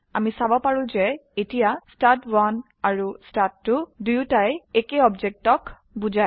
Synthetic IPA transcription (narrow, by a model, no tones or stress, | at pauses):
a̰misabɔpaɹʊ̃zɛetijastatwan | aɹustatːʊdujutajekeɔbd͡ʒek̚tɔk | bud͡ʒa